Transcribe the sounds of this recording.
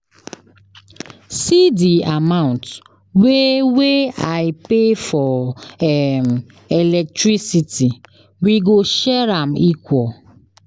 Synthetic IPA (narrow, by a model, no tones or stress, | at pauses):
sidiamaʊ̃nt | weweaɪpefɔ | m̩ | elɛk̚tɾisiti | wiɡoʃɛɾam̩ikʷɔ